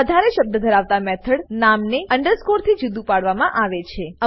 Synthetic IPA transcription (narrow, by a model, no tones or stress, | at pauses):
əd̪ʱaɾeʃəb̚d̪əd̪ʱəɾaʋt̪amɛt̪ʰəɽnamneəɳɖəɾskoɾt̪ʰid͡ʒud̪upaɽʋamãʔaʋet͡ʃʰeə